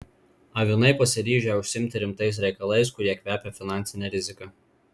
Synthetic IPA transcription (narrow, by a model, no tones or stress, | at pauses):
ɐʋʲɪnɐɪpɐsʲɪɾʲiːʒʲɛʊʃʲsʲɪmʲt̪ʲɪɾʲɪmt̪ɐɪs̬ɾʲɛɪkɐlˠɐɪskʊɾʲiɛkʲʋʲæːpʲɛfʲɪnɑˑnʲt̪sʲɪnʲɛɾʲɪzʲɪkɐ